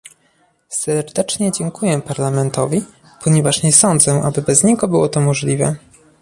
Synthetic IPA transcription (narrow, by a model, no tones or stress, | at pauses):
sɛɾd̪ɛt͡ʂɲɛd͡ʑɛŋkujɛpaɾlamɛnt̪ɔvʲi | pʰɔɲɛvaʂɲɛsɔnd̪zɛʔabɘbɛzɲɛɡɔbɘwɔt̪ɔmɔʐlʲivɛ̰